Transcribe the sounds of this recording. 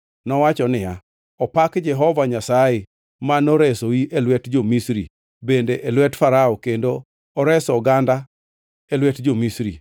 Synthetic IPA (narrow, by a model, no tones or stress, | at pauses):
nɔwat͡ʃɔnɪja | ɔpakd͡ʒɛɦɔvaɲasaje | manoɾɛsoiʔelwɛtd͡ʒomisɾḭ | bendeʔelwɛtfaɾaɔkendoː | ɾɛsɔɡanda | elwɛtd͡ʒomisɾḭ